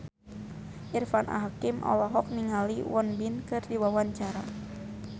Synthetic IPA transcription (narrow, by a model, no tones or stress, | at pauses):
ʔirfanʔa̰ɦakimʔɔ̰lɔɦɔk̚niŋaliwɔnbinkɨrdiwawaɲt͡ʃaɾa